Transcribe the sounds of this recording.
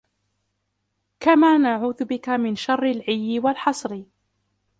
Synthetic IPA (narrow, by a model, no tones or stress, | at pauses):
kamaːnaʕuːðʊbɪkamɪnʃɑrˤːɪlʕɪjːɪwalħɑsˤɾɪ